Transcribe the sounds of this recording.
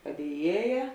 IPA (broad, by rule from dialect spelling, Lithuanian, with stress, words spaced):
pɐdʲiɛˈjiɛjɛ